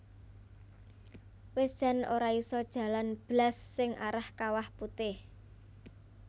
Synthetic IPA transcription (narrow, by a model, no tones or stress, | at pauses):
wesd̥ʒ̥a̤noɾaisɔd̥ʒ̥a̤lanb̥lasːɪŋa̰ɾahkawahput̪ɪh